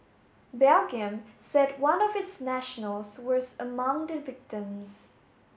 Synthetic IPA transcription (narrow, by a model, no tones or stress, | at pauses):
bɛlɡɨ̃msɛd̚wʌ̃nʌvɪtsnæʃnəl̩ˠz̥wʌzəmʌ̃ŋd̪ɨvɪk̚tə̃mz̥